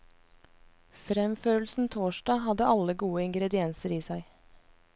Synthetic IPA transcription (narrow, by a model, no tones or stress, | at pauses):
fɾɛmføːɾl̩sn̩t̪ʰoːʃdɑːhɑd̪əʔɑləɡuːəɪŋɡɾɛd̪ɪɛnsəɾiːsæɪ